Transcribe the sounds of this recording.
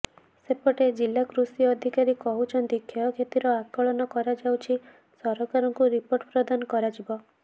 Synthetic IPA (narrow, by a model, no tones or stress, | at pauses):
sepɔʈed͡ʒilːakɾusiɔd̪ʱikaɾikɔɦut͡ʃʰɔnt̪ikʰːeɔkʰet̪iɾɔakɔɭɔnɔkɔɾad͡ʒawt͡ʃʰi | sɔɾɔkaɾɔŋkuɾipoɾʈpɾɔd̪anɔkɔɾad͡ʒibɔ